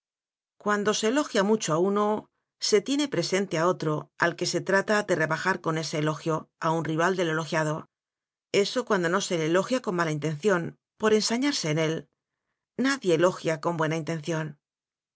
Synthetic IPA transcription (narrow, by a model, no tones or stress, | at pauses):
kwand̪o̞se̞ːlo̞xjamut͡ʃoauno̞ | se̞t̪je̞ne̞pɾe̞se̞nt̪e̞ao̞t̪ɾo̞a̰lke̞se̞t̪ɾat̪aðe̞re̞βaxaɾko̞ne̞se̞ːlo̞xjo̞aunriβ̞ald̪e̞le̞lo̞xjað̞o̞ | e̞so̞kwand̪o̞no̞se̞leːlo̞xjako̞mmalaint̪ẽ̞n̟θjo̞n | po̞ɾe̞nsaɲaɾse̞ːne̞l | naðje̞ːlo̞xjako̞mbwe̞naint̪e̞nθjo̞n